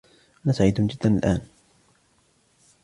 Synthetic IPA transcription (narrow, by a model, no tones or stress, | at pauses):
ʔanaːsaʕiːd̪ʊnd͡ʒɪd̪ːanalʔaːn